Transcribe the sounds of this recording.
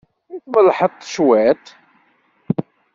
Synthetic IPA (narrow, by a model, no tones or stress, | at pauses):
ikməlħət̪ˤːə̥ʃwæt̪